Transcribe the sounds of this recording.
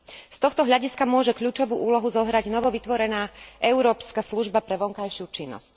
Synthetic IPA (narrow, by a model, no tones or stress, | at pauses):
st̪ɔxt̪ɔɦʎaɟiskamʊɔʒɛkʎuːt͡ʃɔʋuːʔuːlɔɦuzɔɦɾaɟnɔʋɔʋit̪ʋɔɾɛnaːʔɛʊɾɔːpskasluʒbapɾɛʋɔŋkajʃɪut͡ʃinːɔ̰sc